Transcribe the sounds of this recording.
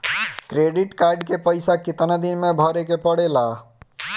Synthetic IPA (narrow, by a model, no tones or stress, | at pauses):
kɾeɖiʈkaɾɖkepəjsakit̪nad̪inmebʱɔɾekepəɽela